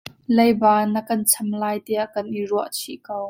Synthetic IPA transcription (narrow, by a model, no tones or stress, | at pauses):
lejbaːnɐkɐnt͡sʰɐmlaːjt̪iaʔkɐnʔiruəʔt͡sʰiʔkow